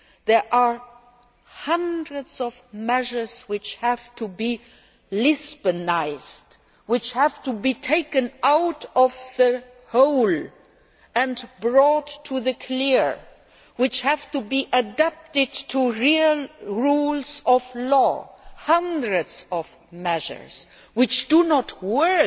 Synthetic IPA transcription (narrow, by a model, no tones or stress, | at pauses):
ðɛ˞ʔa | hʌ̃ndɹɨdz̥ʌvmɛʒə˞z̥wɪt͡ʃhæv̥tʰubi | lɪzbɨnaɪz̥d | wɪt͡ʃhæv̥tubitʰeɪkɨ̃naʊtʌvðə | hoʊl | ɨ̃nbɹɔtʰːuðɨkʰlɪɹ | wɪt͡ʃhæv̥tubiʔɨdæp̚tɪd̚tʰuɹilɹulˠzʌvlɔhʌ̃ndɹɨdz̥ʌv | mɛʒə̰˞z̥ | wɪt͡ʃd̥unət̚wɜ˞